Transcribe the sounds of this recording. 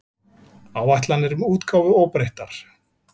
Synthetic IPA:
awvajht̪lanːɛɾʏmuːt̪kʰaːwvʏɔːwpɾejht̪aɾ̥

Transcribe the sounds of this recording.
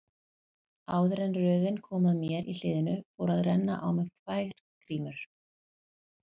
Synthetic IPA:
aːwðɾɛnrœːðɪnkʰɔːmaðmjɛɾʔḭl̥ɪːðɪnʏfowɾaðrɛnːa̰ʔawmɪɣt̪ʰvaːjɣɾ̥ | kʰɾiːmʏɾ̥

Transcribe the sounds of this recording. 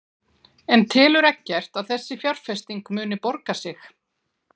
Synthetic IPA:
ɛnt̪ʰɪːlʏɾɛhcːɛr̥t̪aðθɛsːɪfjawr̥fɛst̪iŋkmʏːnɪpɔɾkasɪx

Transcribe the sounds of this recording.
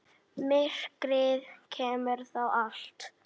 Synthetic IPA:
mɪr̥kɾɪðcʰɛːmʏɾ̥θawal̥t̪

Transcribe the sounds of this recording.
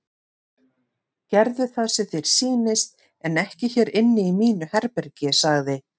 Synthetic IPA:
cɛɾðʏθasɛθeɾ̥siːnɪst̪̚ | ɛnɛhcɪçɛːɾɪnːɪimiːnʏhɛɾpɛɾcɪsaɣðɪ

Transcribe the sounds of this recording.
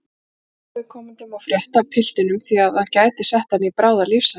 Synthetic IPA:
vɪðkʰɔːmɪnt̪ɪmaðfɾjɛht̪apʰɪl̥t̪ɪnʏmθiaðacaːjt̪ɪsɛht̪hanːɪipɾaːwðaɾlifsa

